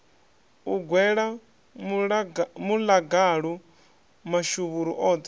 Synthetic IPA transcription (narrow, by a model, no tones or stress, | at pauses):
uɡwɛɺa | mulaɡaɺɔ | maʃuβuɾɔʔɔːt̪